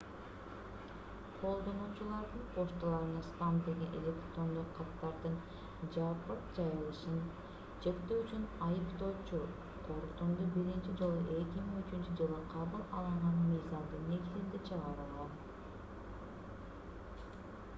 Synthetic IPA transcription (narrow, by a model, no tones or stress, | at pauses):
qʰo̞lˠd̪o̞nuːt͡ʃulˠɑɾd̪ɯɴqʰo̞ʃt̪ulˠɑɾɯnɑst̪amd̪e̞ɡe̞nʔe̞̰lʲe̞kt̪ɾo̞nd̪oqʰːɑt̪ːɑɾd̪ɯn | d͡ʒɑpɯɾ̚d͡ʒɑjɯlˠɯʃɯn | d͡ʒe̞t̪ːøyt͡ʃynɑjɯpt̪o̞ːt͡ʃu | qʰo̞ɾt̪umd̪ubiɾint͡ʃid͡ʒo̞lˠuʔe̞kʲimiŋyt͡ʃynt͡ʃyd͡ʒɯlˠɯqʰɑβɯlˠɑ̰lˠɯɴʁɑnmɯjzɑmd̪ɯnːe̞ɡizind̪it͡ʃʰɯʁɑɾɯlˠʁɑn